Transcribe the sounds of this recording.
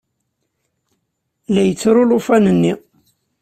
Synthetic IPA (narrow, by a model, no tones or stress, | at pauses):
læjət͡sːɾulufænənːi